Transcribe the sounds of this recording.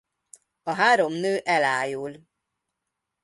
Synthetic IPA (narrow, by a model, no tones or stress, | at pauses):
ɒɦaːɾo̞mnøːʔɛlaːjul